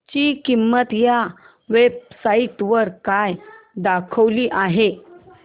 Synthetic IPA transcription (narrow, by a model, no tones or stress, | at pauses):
t͡ɕiːkimːət̪ja | ʋeb̚sait̪ʋəɾkajd̪akʰəʋliːʔaɦe